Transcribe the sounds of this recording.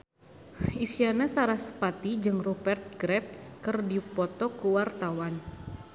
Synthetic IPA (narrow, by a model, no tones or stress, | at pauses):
isianasaɾasə̥pat̪id͡ʒɨŋrupɛrt̪̚ɡɾɛpskərdipɔt̪ɔkuwart̪awan